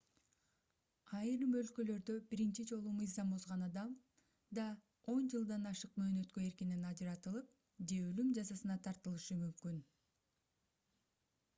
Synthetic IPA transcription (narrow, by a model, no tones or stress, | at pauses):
ɑjɾɯmø̞lkø̞lø̞ɾd̪ø̞biɾint͡ʃid͡ʒo̞lˠumɯjzɑmbo̞zʁɑnɑd̪ɑm | d̪ɑ | o̞nd͡ʒɯlˠd̪ɑnɑʃɯqmø̞ːnø̞t̪kø̞e̞ɾkininɑd͡ʒɯɾɑt̪ɯlˠɯp̚ | d͡ʒe̞ølymd͡ʒɑsɑsɯnɑt̪ʰɑɾt̪ɯlˠɯʃɯmymkyn